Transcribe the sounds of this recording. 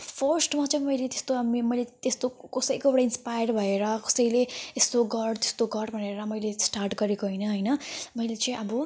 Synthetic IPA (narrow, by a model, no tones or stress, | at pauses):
pʰʌrsʈmat͡sʌĩmʌjlet̪e̥st̪oɦamimʌjlet̪est̪okʌsʌjkoewɽainspajʌrbʱʌeɾʌkʌ̥sʌjleest̪oɡʌɽt̪e̥st̪oɡʌɽbʱʌneɾʌmʌjlesʈarʈɡʌɾekoɦʌjnʌɦʌjnʌmʌjlet͡sʌ̃ĩʔʌbʌ